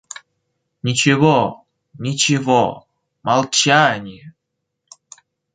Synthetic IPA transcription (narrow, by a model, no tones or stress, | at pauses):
nʲɪt͡ɕɪvo | nʲɪt͡ɕɪvɔ | mɐlˠt͡ɕanʲɪjə